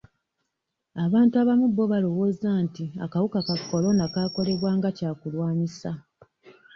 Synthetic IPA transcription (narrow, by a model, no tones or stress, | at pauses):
aβaːntuaβamuβːo̞βalo̞wo̞ːzantia̰kawukakakʰːo̞lo̞nakaːko̞le̞βwaːŋɡacaːkulwaːnisa